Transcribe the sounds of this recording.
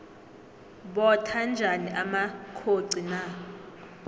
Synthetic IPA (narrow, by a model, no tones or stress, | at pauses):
ɓɔtʰand͡ʒʱaniʔamakʰoǀina